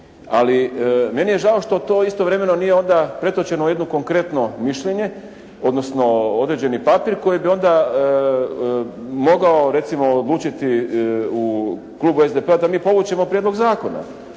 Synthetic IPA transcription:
a̰lime̞nije̞ʒao̞ʃt̪o̞t̪o̞ːist̪o̞ʋɾe̞me̞no̞nije̞o̞nd̪apɾe̞t̪o̞t͡ɕe̞nojed̪noko̞ŋkɾe̞t̪no̞miʃʎeɲe̞ | o̞d̪no̞sno̞od̪ɾed͡ʑe̞nipapiɾko̞jibio̞nd̪a | mo̞ɡao̞ɾe̞t̪simo̞ːd̪lˠuːt͡ʃit̪iu | klˠuːbue̞zd̪epe̞ad̪amiːpo̞ʋut͡ɕe̞mo̞pɾjedlo̞ɡzaːko̞na̰

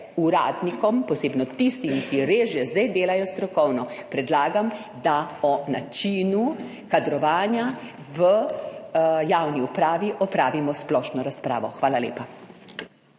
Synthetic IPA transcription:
uɾa̰ːd̪nikɔmpɔseːbnɔt̪ist̪imkiɾeːʒjɛzd̪ajd̪eːlajɔst̪ɾɔkɔwnɔpɾɛd̪laːɡam | d̪aɔnat͡ʃiːnu | kad̪ɾɔʋaːnja | ʋə | jaːwniupɾaːʋiʔɔpɾaːʋimɔsplɔːʃnɔɾaspɾa̰ːʋɔxʋaːlalḛːpa

